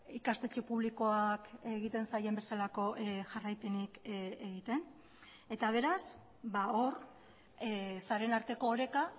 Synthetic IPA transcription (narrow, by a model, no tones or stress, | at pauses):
ikast̪e̞t͡ʃepuβ̞liko̞ake̞ɣit̪e̞nsaje̞mbe̞salako̞ʔʝarajpenikeɣit̪e̞n | e̞t̪aβ̞e̞ɾas | bao̞ɾ | saɾe̞naɾt̪e̞ko̞ːɾe̞ka